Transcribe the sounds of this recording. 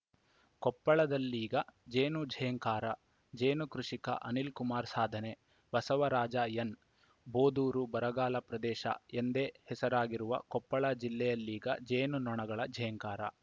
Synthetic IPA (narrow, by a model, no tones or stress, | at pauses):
kɔpːɐɭɐd̪ɐlːiːɡɐd͡ʒeːnud͡ʒʱɛjɐŋkaːɾɐ | d͡ʒeːnukɾuʂikɐ̰ʔɐnilkumaːɾsaːd̪ʱɐne̞ | bɐsɐʋɐɾaːd͡ʒajɐn | boːd̪uːɾubɐɾɐɡaːlɐpɾɐd̪ɛːʃɐ̰end̪ehɛsɐɾaːɡiɾuʋɐ̰kɔpːɐɭɐd͡ʒilːɛjɐlːiːɡɐd͡ʒeːnunɔɳɐɡɐɭɐd͡ʒʱɐjɐŋkaːɾɐ̰